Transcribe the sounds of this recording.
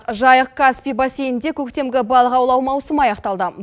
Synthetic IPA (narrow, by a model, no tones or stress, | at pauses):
qʒɑjəqkːaspʲibɑsejɪnd̪e̞kʲʰɵkt̪e̞mɡʲɪbɑlˠəqɑwlˠɑwmɑwsəmɑjɑqt̪ɑlˠd̪ə